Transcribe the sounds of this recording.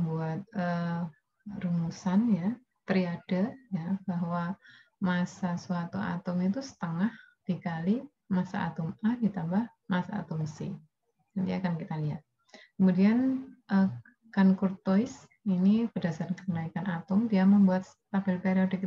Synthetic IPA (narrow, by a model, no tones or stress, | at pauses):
mbuat̪̚əː | rumusanja | t̪əɾiad̥ajabaɦwa | masasuat̪ua̰t̪ʊmit̪usə̥t̪əŋah | d̥ikali | masa̰ːt̪ʊmadit̪ambah | masa̰ːt̪ʊmsḭ | d͡ʒant̪iakankit̪aliɦat̪̚ | kəmudianʔə | kankʊrt̪oɪs | inipədasarkəənaikanat̪ʊmdiaməmbuat̪̚ | pabɪlpeɾiɔdik